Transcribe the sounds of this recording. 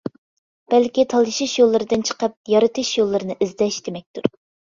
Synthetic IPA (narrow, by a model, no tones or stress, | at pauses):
b̥ɛlkʲit̪ʰɑlˠɨʃɪʃjolˠːɨɾɨd̪ɨnt͡ʃʰə̥qəp̚jɑɾɨt̪ɨʃjolˠːɨɾɨnɨʔizd̪ɛʃd̪̥emɛk̚ʲt̪uɾ